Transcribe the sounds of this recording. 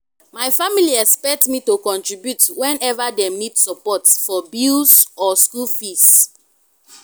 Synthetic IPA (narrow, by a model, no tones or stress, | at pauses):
maɪfamiliɛkspɛk̚tmitokɔ̃ntɹibjutwɛ̃nɛvademidsɔpɔtfɔbilzɔskulfis